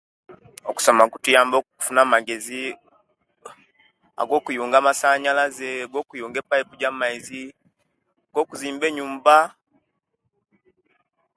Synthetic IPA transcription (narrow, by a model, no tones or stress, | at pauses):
oku̥somakutujaːmbokku̥funamaɡe̞zi | a̰ɡoːkujuːŋɡamasaɲalazeɡoːkujuːŋɡepaipuɟamaizi | ɡoːkuziːmbeɲuːmba